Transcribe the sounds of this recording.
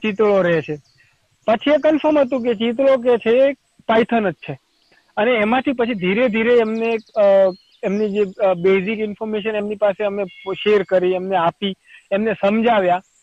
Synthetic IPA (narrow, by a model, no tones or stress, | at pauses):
t͡ʃit̪ɭoɾəɦet͡ʃʰe | pət͡ʃʰiekəlfəmɦət̪ũk̬et͡ʃit̪̬ɭok̬et͡ʃʰeː | pajt̪ʰənət̪t͡ʃʰe | əneːmãt̪ʰipət͡ʃʰid̪ʱiɾed̪ʱiɾeːmne | emnid͡ʒebezikɪnfʰoɾmeʃ̬ənemnipaseəmeʃeɾkəɾiemneapi | emnesəmd͡ʒaʋja